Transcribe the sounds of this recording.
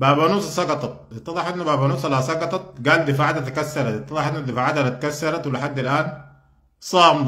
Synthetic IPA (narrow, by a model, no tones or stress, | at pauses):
baːbanuːsˤɑsˤɑɡɑt̪ˤɑt̪̚ˤbɨt̪ˤːɑd̪ˤɑħʔɪnːubaːbanuːsˤɑlahsˤɑɡɑt̪ˤɑt̪̚ɡaːld̪ifaʕad̪at̪akasːɑɾˤɑt̪ɨt̪ˤːɑdˤɑħʔinːud̪ifaʕad̪alat̪ḁkasːɑɾˤɑt̪wɪlɪħad̪ːilʔaːn | sˤɑːm